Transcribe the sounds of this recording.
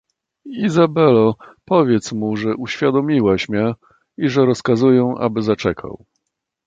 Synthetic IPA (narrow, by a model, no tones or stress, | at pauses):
izabɛlɔpɔvʲjɛt̪smuʐɛʔuɕfʲjad̪ɔmʲiwaɕmʲɲɛ | iʐɛɾɔskazujɛ̃ʔa̰bɘzat͡ʂɛkʰa̰w